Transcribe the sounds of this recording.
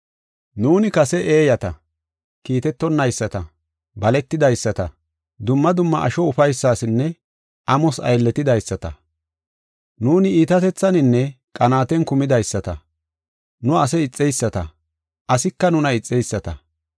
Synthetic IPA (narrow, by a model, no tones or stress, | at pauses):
nuːnɪkɐsɛʔeːjɐt̪ɐ | kiːt̪ɛt̪ːɔnːɐjsːɐt̪ɐ | bɐlɛt̪ːɪd̪ɐjsːɐt̪ɐ | d̪ʊmːɐd̪ʊmːɐʔɐ̰ʃɔʊfɐjsːaːsɪnːɛ | ʔɐmɔsɐ̰jlːɛt̪ːɪd̪ɐjsːɐt̪ɐ̰ | nuːnɪiːt̪ɐt̪ɛt͡sːɐnɪnːɛkʼɐnaːt̪ɛnkʊmɪd̪ɐjsːɐt̪ɐ | nʊɐs̬ɛɪt͡sʼːɛjsːɐt̪ɐ̰ | ʔɐsɪkːɐnʊnɐɪt͡sʼːɛjsːɐt̪ɐ̰